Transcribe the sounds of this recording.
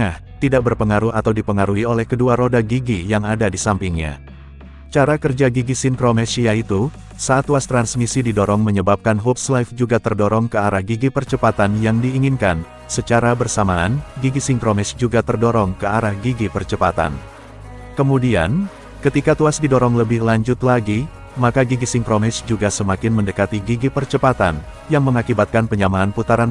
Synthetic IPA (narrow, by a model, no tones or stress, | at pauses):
ah | t̪idak̚bərpəŋaɾuat̪awdipəŋaɾuiolɛhkəduaɾodaɡiɡijaŋadadisampiŋɲa̰ | t͡ʃaɾakərd͡ʒaɡiɡisɪnkɾomɛsjait̪u | sat̪ːuast̪ɾansmisididɔɾɔŋməɲəbap̚kanɦup̚slafd͡ʒuɡat̪ərdɔɾɔŋkəaɾahɡiɡipərt͡ʃəpat̪anjaŋdiːŋinkan | sət͡ʃaɾabərsamaːnɡiɡisɪŋkɾomɛsd͡ʒuɡat̪ərdɔɾɔŋkəaɾahɡiɡipərt͡ʃəpat̪a̰n | kəmudia̰n | kət̪ikat̪uasdidɔɾɔŋləbɪhlaɲd͡ʒʊt̪laɡi | makaɡiɡisɪŋkɾomɛsd͡ʒuɡasəmakɪnməndəkat̪iɡiɡipərt͡ʃəpat̪a̰n | jaŋməŋakibat̪̚kanpəɲamaːnput̪aɾan